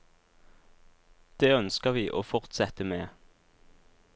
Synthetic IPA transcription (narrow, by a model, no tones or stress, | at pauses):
d̪̥eːœnskəʁʋiːʔoːfɔʁt̪sɛt̪əmeː